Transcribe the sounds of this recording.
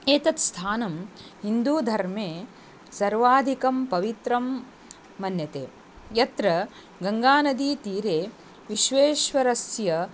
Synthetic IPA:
eːt̪ɐt̪st̪ʰaːnɐmɦind̪uːd̪ʱɐɾmeː | sɐɾʋaːd̪ʱikɐmpɐʋit̪ɾɐmː | ɐnjɐt̪ḛː | jɐt̪ɾɐ | ɡɐŋɡaːnɐd̪iːt̪iːɾeː | ʋiʃʋeːʃʋɐɾɐsjɐ

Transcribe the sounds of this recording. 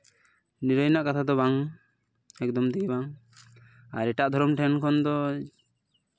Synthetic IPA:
niɾəjnaʔkat̪ʰad̪ɔbaŋ | ɛk̚d̪ɔmd̪iɡibaŋ | aɾɛʈaʔd̪ʱɔɾɔmʈʰɛnkʰɔnd̪ɔ

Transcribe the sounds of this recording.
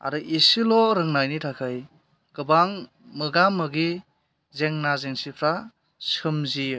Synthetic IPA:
a̰ɾɯʔisilɔɾɯŋnajnitʰakʰaj | ɡ̥ɯbaŋ | mɯɡamːɯɡi | zeŋnazeŋsipʰɾa | sɯmzi

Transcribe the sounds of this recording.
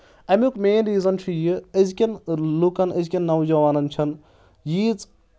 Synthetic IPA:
ɐmʲukmeːnɾiːzɐnt͡ʃʰujiɐzkʲɐnlukɐnɐzkʲɐnːɐwd͡ʒɐʋaːnɐnt͡ʃʰɐn | jiːt͡s

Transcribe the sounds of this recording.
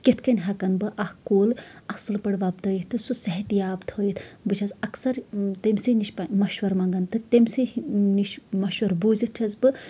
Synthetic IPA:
kit̪kɐnʲɦɐkɐnbɨʔɐhkoːlɐsɨlpɐɽʋɐbt̪ɐjit̪ɨsusɐɦɐt̪jaːbt̪ʰojit̪ʰbɨt͡ʃʰɐzɐksɐɾt̪emʲsiniʃpamɐʃʋɐɾmɐŋɡɐnt̪ɨt̪emsiniʃmɐʃʋɐɾbuːzit̪̚t͡ʃʰɐzbɨ

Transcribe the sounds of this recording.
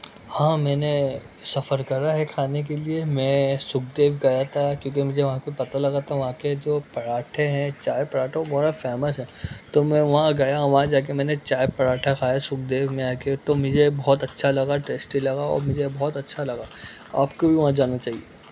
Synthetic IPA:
hãːmɛ̃ːne | sɐfəɾkɐɾaɦɛkʰaːnek̬eliemɛ̃sʊk̚ʰd̪eːʋɡajat̪ʰakjõːkimʊd͡ʒʱeʋɐɦãkoipɐt̪alɐɡat̪ʰaʋɐɦãked͡ʒoːpɐɽaːʈʰeɦɛ̃t͡ʃaːepɐɽaːʈʰõbɔːɾafɛːməsɦɛ̃ːt̪omɛ̃ʋɐɦãɡajaʋɐɦãd͡ʒaːk̬emɛ̃ːnet͡ʃaːjepɐɾaːʈʰakʰaːjasʊk̚d̪eːʋmẽaːket̪omʊd͡ʒʱebɔːɔt̪ɐtːʃʰalɐɡaʈeːsʈilɐɡaɔ̰ːɾmʊd͡ʒʱebɔːt̪ɐtːʃʰalɐɡa | a̰ːpkobʱiʋɐɦãd͡ʒaːnat͡ʃaːɦieː

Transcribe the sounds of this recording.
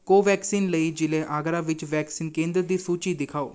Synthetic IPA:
koːʋɛːksiːnləiːd͡ʒɪlẽːʔaːɡɾãːʋɪt͡ʃʋɛːksiːnkẽːnd̪ɾd̪iːsuːt͡ʃiːd̪ɪkʰaːo̰ː

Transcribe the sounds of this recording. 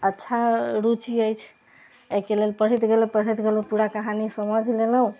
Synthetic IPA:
ətːʃʰaɾut͡ʃiəjt͡ʃʰ | ekelelpəɽ̤ət̪ɡeləpəɽ̤it̪ɡelũpuɽakəɦanisəməd͡ʒʱleləɦũ

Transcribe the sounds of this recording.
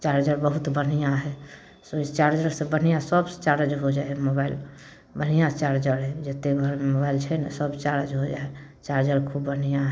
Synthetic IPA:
t͡ʃaɾd͡ʒəɾbəɦut̪bən̤ijãɦɛ | st͡ʃaɾd͡ʒəɾsẽbən̤ijãsəbt͡ʃaɾəd͡ʒɦod͡ʒaɛmobail | bən̤ijãt͡ʃaɾd͡ʒəɾɦɛd͡ʒet̪ebʱəɾmemobailt͡ʃʰɛnɛsəbt͡ʃaɾəd͡ʒɦod͡ʒae | t͡ʃaɾd͡ʒəɾkʰubːən̤ijãɦɛ

